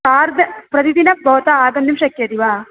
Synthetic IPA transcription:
aːɾd̪ɐpɾɐd̪id̪inɐbʱoːt̪ɐaːɡɐnd̪imʃɐkjɐd̪iʋaː

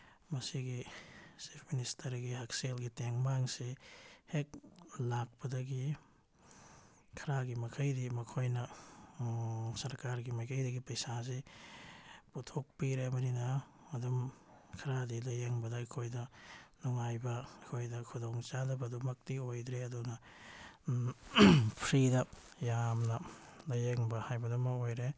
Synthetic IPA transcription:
mɐsiɡisipʰministɐɾɡiɦak̚selɡiteŋmaŋsihek̚lak̚pɐdɐɡi | kʰɐɾaɡimɐkʰɐjdimɐkʰojnɐ | sɐɾkaɾɡimajkʰɐjdɐɡipɐjsas̬i | putʰok̚piɾemɐninɐ | ɐdɐm | kʰɐɾadilɐjeŋbɐdɐɐkʰojdɐnuŋajbɐɐkʰojdɐkʰudoŋt͡ʃadɐbɐdumɐk̚tiojdɾeɐdunɐ | pʰɾidɐ | jamnɐlɐjeŋbɐhajbɐdɐmɐojɾe

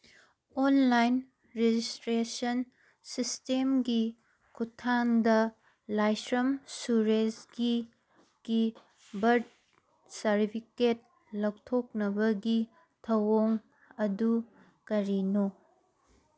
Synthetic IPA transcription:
onlajn | ɾed͡ʒistɾesɐn | sistemɡi | kʰutʰːaŋdɐ | lajsɾɐmsuɾesɡi | ɡ̥i | bɐɾd̚ | sɐɾtipʰiket̚ | lɐwtʰok̚nɐbɐɡi | tʰɐwoŋ | ɐdu | kɐɾino

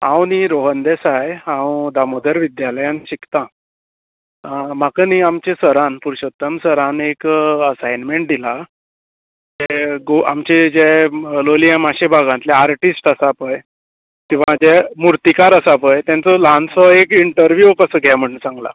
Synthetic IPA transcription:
ã̰wniɾoɦənd̪esajãwd̪amod̪əɾʋid̪jaləjanɕikt̪ã | makəniamt͡ɕẽsəɾãnpuɾɕət̪ːəmsəɾãnekəsajnmeɳʈ̚d̪ila | d͡ʑɛɡoa̰mt͡ɕed͡ʑɛlolijamaɕebʱaɡãnt̪lɛaɾʈisʈəsapəj | kĩw̃ʋ̤ad͡ʑɛmuɾt̪ikaɾəsapəjt̪jãnt͡sɔlansɔekiɳʈəɾʋjukəsəːɡʱɛm̤əɳnt͡sãŋɡla̰

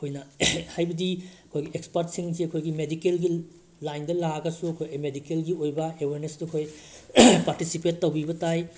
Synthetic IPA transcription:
hojnɐhajbɐdiɐkʰojɡiekspɐɾt̚siŋsiɐkʰojɡimedikelɡi | lajndɐlaɡɐsuɐkʰojmedikelɡiojbɐeweɾnesduɐkʰoj | paɾtisipetːɐwbibɐtaj

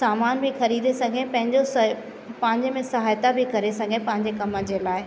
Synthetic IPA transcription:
saːmaːnbʱixɐɾiːd̪esɐɡʱẽpɐ̃ɦɪ̃ɲd͡ʑos | pɐ̃ɦɪ̃ɲd͡ʑmẽsɐɦaːjt̪abʱikɐɾesɐɡʱẽpɐ̃ɦɪ̃ɲd͡ʑekɐmə̆d͡ʑeːlaːɪ

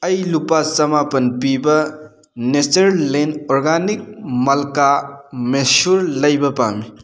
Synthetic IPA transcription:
ɐjlupat͡ʃɐmapɐnpibɐ | net͡ʃɐɾlenɔɾɡanik̚mɐlkamesuɾlɐjbɐpa̰mi

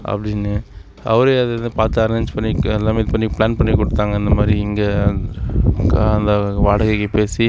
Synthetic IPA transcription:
ʔɐ̰pːɐɽɪnːɯ | ɐ̰ʋɐɾeɐðɐɐnɯpaːɾt̪ːɯɐɾeɲd͡ʒpɐɳːiɛlːaːmeːɪðɯpɐɳːipɭaːnpɐɳːikːɔɽɯt̪ːaːŋɡɐɪnd̪ɐmaːd̪ɾiɪŋɡɐ | ɐnd̪ɐʋaːɽɐɣɐkːɯpeːsi

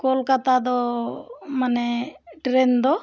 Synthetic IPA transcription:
kolkat̪ad̪ɔ | maneʈɾend̪ɔ

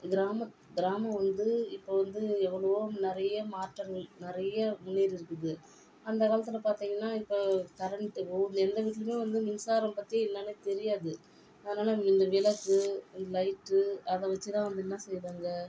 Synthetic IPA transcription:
ɡɪɾaːmɐ | ɡɪɾaːmɐ̃ʋɐnd̪ɯɪpːoːʋɐnd̪ɯɛʋːɐɭɐʋonɪɾɐjɐmaːʈːɐɾnɪɾɐjɐmʊnːeːɾɪɾɯkːɯðɯ | ɐnd̪ɐkaːlɐt̪ːɪlɐpaːɾt̪iːŋɡɐnːaːɪpːoːkɐɾɐɳʈɯpond̪ɛnd̪ɐʋiːʈ̬ːɪlɯmẽːʋɐnd̪ɯmɪnsaːɾɐmpɐt̪ːijɐ̃ɪlːɐːneːt̪ɛɾɪjaːðɯ | ɐðnaːlaɪnd̪ɐʋɪlɐkːɯɪnd̪ɐlɐɪʈːɯɐðɐ̃ʋɐt͡ʃːɯt̪ãːʋɐnd̪ɯɛnːãːsɛjːðaːŋɡɐ

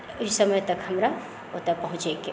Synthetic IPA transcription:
ʊisəməjt̪ɐkhəmɾa | ot̪apəɦũt͡ʃeke

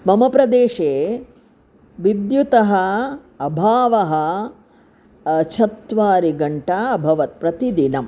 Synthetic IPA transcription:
mɐmɐpɾɐd̪eːʂeː | ʋid̪jut̪ɐɦɐ | ɐbʱaːʋɐɦɐ̆ | ɐt͡ʃʰɐt̪ʋaːɾiɡɐɳʈaːbʱɐʋɐt̪̚pɾɐt̪id̪inɐm

